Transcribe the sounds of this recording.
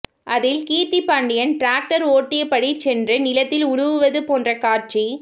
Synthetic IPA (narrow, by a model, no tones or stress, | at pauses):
ʔɐðɪlkiːt̪ːipːaːɳɖɪjɐnʈɾaːk̚ʈɐɾoːʈːɪjɐpːɐɽit͡ʃɛndrɯnɪlɐt̪ːɪlʊɻʊʋɯʋɐðɯpoːndrɐkaːrt͡ʃi